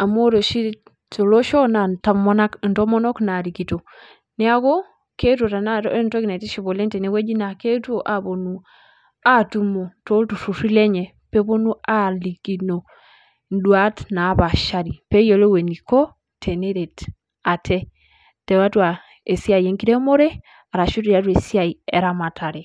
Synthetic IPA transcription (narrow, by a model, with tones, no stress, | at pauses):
a˨mo˦ɾo˨ʃi˦ | t͡ʃo˨lo˦ʃɔ˦na˨ta˦mɔ˦na˦kntɔ˦mɔ˦nɔ˦kna˨ɾi˨ki˨to˨ | nɛ˦a˦ɣo˦ | ke˦two˨ta˨na˦ntɔ˦ki˨na˨ti˦ʃi˨βo˨le˦ntɛ˨ne˨˦we˦d͡ʒi˦na˨ke˦two˨ʔa˨βo˨nu˨ | a˦tu˨mo˨to˦ltu˨su˨si˦lɛ˦ɲɛ˨ | pe˦βo˦nu˦a˦li˨ki˨no˨ | n˦dwa˦tna˨˦βa˨ʃa˦ɾi˨pe˦jo˨le˦we˨ni˨kɔ˦ | tʰe˨ne˦ɾe˨t | a˨tʰɛ˦ | tɛ˨wa˦twa˨ | e˨si˦a˨i˨e˨˦ŋki˦ɾe˦mo˦ɾe˦ | a˨ɾa˨ʃu˦tɾa˦t̬we˨si˦a˨i˨ɛ˨ɾa˦ma˨tʰa˨ɾe˨